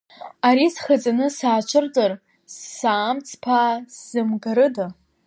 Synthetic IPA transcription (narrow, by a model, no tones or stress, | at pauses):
aɾisχad͡zanɨsaːt͡ʃʷʰɨrd͡zʼar | sːaːmt͡sʰpʰasz̥ɨmɡaɾɨda